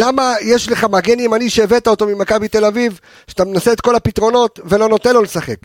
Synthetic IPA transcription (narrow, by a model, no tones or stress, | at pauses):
lamajeʃle̞χamaɡeniːmaniʃeːvet̪aot̪o̞mimakabit̪e̞laviv | ʃeat̪amenaseːt̪ko̞lapit̪ʁo̞no̞t̪ve̞lo̞no̞t̪enlːo̞lesaχe̞k